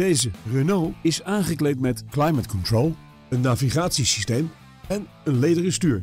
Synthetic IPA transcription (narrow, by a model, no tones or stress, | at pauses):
d̥ejzərənowɪsaːnχəklejtmɛtklajmətkɔntɹolˠ | ənːaːviχaːtsisistejm | ɛn | ənlejdərəstyːɹ